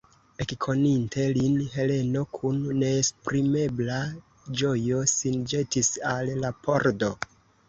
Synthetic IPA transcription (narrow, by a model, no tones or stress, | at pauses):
e̞kkʰo̞ninte̞linɦe̞le̞no̞kʰunːe̞ːspɾime̞bla | d͡ʒo̞jo̞sind͡ʒe̞tisallapʰo̞ɾdo̞